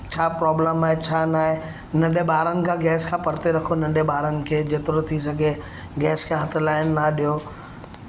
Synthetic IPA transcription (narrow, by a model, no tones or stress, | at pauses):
t͡ɕʰaːpɾɔːbləmaːɦet͡ɕʰaːnaːɦe | nɐ̃ɗeɓaːɾənɪ̆kʰãɡɛːskʰãpɐɾt̪eɾɐkʰonɐ̃ɳɖeɓaːɾənɪ̆kʰeːd͡ʑeːt̪ɪɾot̪ʰis̬ɐɡʱe | ɡɛːskʰãɦɐt̪ʰʊlaːɪnːɐɗijo